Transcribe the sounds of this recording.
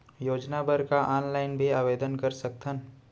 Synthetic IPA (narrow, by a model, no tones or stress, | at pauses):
joːd͡ʒnabəɾkaʔaːnlaɪnbʱiaːʋeːd̪ənkɐɾsək̚t̪ʰən